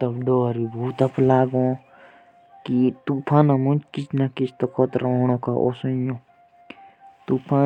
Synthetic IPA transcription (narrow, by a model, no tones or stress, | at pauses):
t̪ɐbɖoːɾibʱuːt̪ɐplaːɡõ | kit̪upʰãːnamũnt͡ʃkit͡ʃnakist̪okʰɔt̪ɾaɳ̃õkaʔo̰sə̃jõ | t̪upʰã